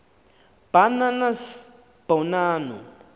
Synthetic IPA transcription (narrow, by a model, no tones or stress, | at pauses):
b̥ananas | b̥awnaːnṵ